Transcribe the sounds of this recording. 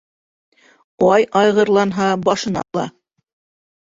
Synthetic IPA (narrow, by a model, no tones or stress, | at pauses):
ɑjɑjʁɤ̆ɾlˠɑnɦɑbɑʃɤ̆nɑ̰lˠɑ̰